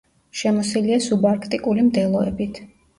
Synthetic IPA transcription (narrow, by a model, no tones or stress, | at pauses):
ʃɛmɔsiliasubaɾkʰt̪ʼikʼulimd̪ɛlˠɔɛ̰bit̪ʰ